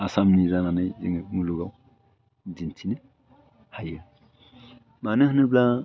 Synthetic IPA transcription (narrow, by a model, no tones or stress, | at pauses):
asamnizananɯjḭŋmuluɡaw | d͡ʒintʰinɯ | hajɯ | manɯɦnɯbla